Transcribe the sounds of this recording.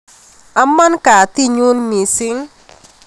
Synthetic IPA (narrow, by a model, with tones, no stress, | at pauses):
a˦mːa˦nka˨t̪i˦ɲu˦nmi˨sɪ˦ŋ